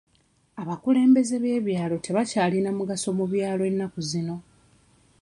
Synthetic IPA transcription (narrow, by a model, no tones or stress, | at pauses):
aβakule̞ːmbe̞ze̞βe̞ːβjaːlo̞tʰe̞βacaːlinamuɡaso̞muβjaːloe̞nːakuzino̞